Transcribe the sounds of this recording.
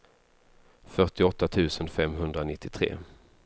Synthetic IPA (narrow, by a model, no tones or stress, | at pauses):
fœʈɪɔt̪ːat̪ʰʉ̟ːsənfɛmːɦɵnd̪ɾanɪt̪ːɪt̪ʰɾḛː